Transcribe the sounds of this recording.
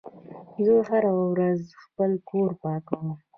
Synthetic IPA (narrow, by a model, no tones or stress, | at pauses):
zəɦaɾawawɾazxpəlkoɾpɑkaw